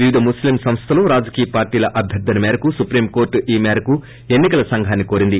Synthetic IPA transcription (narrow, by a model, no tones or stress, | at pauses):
ʋiʋid̪ʱɐmuslimsɐmst̪ʰɐloːɾaːd͡ʒɐkiːjɐpaːɾʈiːlɐʔɐbʱjɐɾd̪ːɐnɐmɛːɾɐkusupɾiːmkoːɾʈiːmɛːɾɐku | e̞nːikɐlɐsɐŋɡʱaːnːikoːɾind̪i